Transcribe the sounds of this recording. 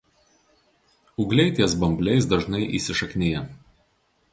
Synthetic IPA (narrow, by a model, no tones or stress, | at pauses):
ʊɡlʲɛɪt̪ʲiɛsbɐmʲbʲlʲɛɪs̬d̪ɐʒnɐɪʔḭːsʲɪʃɐkʲnʲeːjɛ